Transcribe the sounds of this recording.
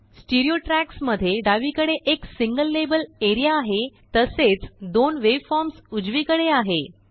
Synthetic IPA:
sʈiɾioʈɾæksməd̪ʱːjeɖaʋikəɽeʔeksiŋɡəlːebəleɾijaːɦet̪əset͡sd̪onʋeʋfɔɾmsud͡zʋikəɽeaɦe

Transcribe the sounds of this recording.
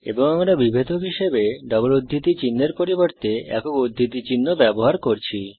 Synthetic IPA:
ḛboŋamɾabibʱet̪okɦiʃebeɖɔboɾod̪ʱːit̪it͡ɕinːeɾpoɾiboɾt̪eɛ̰kokod̪ʱːit̪it͡ɕinːobɛboɦaɾkoɾt͡ɕʰi

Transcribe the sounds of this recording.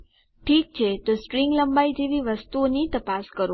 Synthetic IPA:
ʈʰik̚t͡ʃʰet̪osʈɾiŋɡləmbaid͡ʒeʋiʋəst̪uonit̪əpaskəɾo

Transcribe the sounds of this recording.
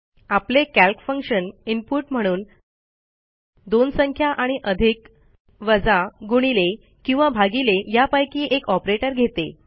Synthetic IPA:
aplekælkfəŋkɕənimpuʈm̤əɽ̃uːn | d̪onsəŋkʰjaʔaɽ̃iʔəd̪ʱik | ʋəd͡zaɡuɽ̃ile | kĩw̃ʋabʱaɡilejapajkiːʔekɔpɾeʈəɾɡʱet̪e

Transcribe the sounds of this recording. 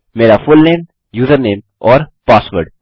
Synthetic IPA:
meːɾafʊlnẽːm | juːzəɾnẽːm | ɔːɾpaːsʋəɾɖ

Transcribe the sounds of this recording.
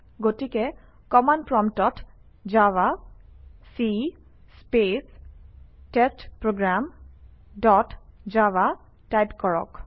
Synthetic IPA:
ɡotikɛ | kɔmanpɹɔmtɔt | d͡ʒawa | si | spes | testpɹoɡɹam | dɔtd͡ʒawa | tajpkɔɹɔ̰k

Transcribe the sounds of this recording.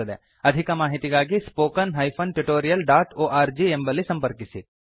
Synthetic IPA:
ɐd̪ɛ̰ː | ɐd̪ʱikɐmaːɦit̪ikaːɡispoːkɐnɦɐːjpʰɐnʈuʈoːɾijɐlɖaːʈoːʔaːɾd͡ʒiembɐlisɐ̃mpɐɾkisi

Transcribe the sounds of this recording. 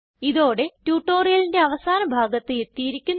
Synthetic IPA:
iðo̞ːɽe̞tjuːʈːo̞ːrijɐlinde̞ɐʋɐsaːnɐbʱaːɡɐt̪ːɨe̞t̪ːijiɾikʲːun

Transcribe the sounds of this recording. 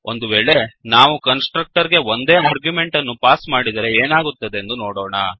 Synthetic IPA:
o̞nd̪uʋeːɭe̞naːʋukɐnsʈɾɐk̚ʈɐɾɡe̞ond̪e̞ːaːɾɡjume̞ɳʈɐnːupaːsmaːɽid̪ɐɾe̞eːnaːɡut̪ːɐd̪e̞ːnd̪unoːɽoːɳɐ

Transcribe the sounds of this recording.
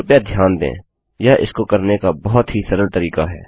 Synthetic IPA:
ʊpjad̪ʱjaːnd̪ḛ̃ː | jaʔɪ̰skokəɾnekabɔɦʊt̪ɦisəɾəlt̪əɾiːkaɦɛ̰ː

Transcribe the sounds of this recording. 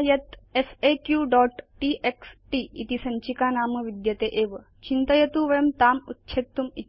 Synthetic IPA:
jɐt̪efekjuɖɔʈːʈiʔeksʈiit̪isəɲt͡ɕikanaːməʋid̪jət̪eʔeʋə | t͡ɕint̪əjɐt̪uʋəjəmt̪amut̪ːɕʰet̪ːumi

